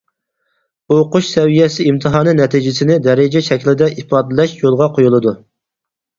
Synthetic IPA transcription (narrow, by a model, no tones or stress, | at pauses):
oqʊʃsɛvijɛsɪimt̪ʰɨɦɑːnɨnɛt̪ʰid͡ʒɪsɪnɪd̪ɛɾɪd͡ʒɛʃɛkʲlɪd̪ɛʔipɑːd̪ɪlɛʃjolˠʁɑqʰojulˠɨd̪u